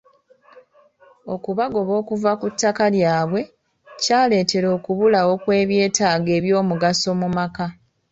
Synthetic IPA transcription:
o̞kuβaɡo̞βo̞ːkuvakutːakaljaːβwe̞ | caːle̞ːte̞ɾo̞ːkuβulawo̞kwe̞ːβje̞ːtaːɡe̞ːβjo̞ːmuɡaso̞mumaka

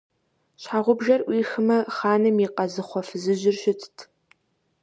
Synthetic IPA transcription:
ɕħaʁʷʊbʒɐrʔʷiːxɨmɐχaːnɨmiːqɐzɨχʷɔfɨzɨʒɪrɕɪtʰtʰ

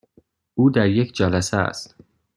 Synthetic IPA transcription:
uːd̪æɾjecʰd͡ʒælæsææ̰st̪

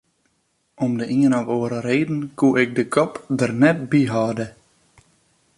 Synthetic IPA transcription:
ɔmdəʔiənɔvoəɾəreːdn̩kuʔɪk̚dəkʰɔpdərnɛt̚biɦɑːdə

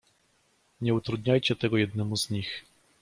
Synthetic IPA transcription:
ɲɛut̪ɾud̪ɲajt͡ɕɛt̪ɛɡɔjɛd̪nɛmuzɲix

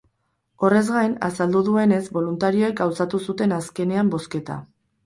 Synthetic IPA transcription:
o̞re̞zɣajna̰sald̪uðue̞ne̞zbo̞lunt̪aɾio̞e̞k̚ɡawsat̪usut̪e̞naske̞ne̞ambo̞ske̞t̪a̰

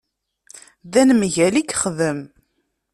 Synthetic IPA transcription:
ðænmʝælikχðəm

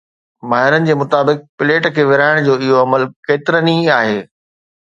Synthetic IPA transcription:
maːɦɪɾənɪ̆d͡ʑeːmʊt̪aːbɪk̚pɪleːʈkʰeːʋɪɾaːɪɽ̃d͡ʑoːɪɦoɐməlkeːt̪ɪɾənĩaːɦeː

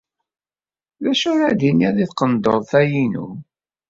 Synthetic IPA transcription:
ðæʃʊɾæd̪inæðiθqənd̪oðˤθæjinṵ

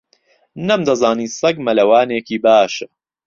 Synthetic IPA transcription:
nɐmd̪ɐzaːniːsˤɐɡmɐlɐwaːneːkiːbaːʃɐ

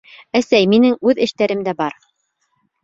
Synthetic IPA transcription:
æsæjminɘŋʉðɘ̆ʃt̪æɾɘmd̪æbɑɾ

